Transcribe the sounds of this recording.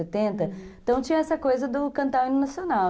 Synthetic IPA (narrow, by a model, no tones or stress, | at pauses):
et̪ẽnt̪ɐẽt̪ɐ̃w̃t͡ʃĩɲɐɛsɐkojzɐd̪ʊkɐ̃nt̪awĩnenɐsionaw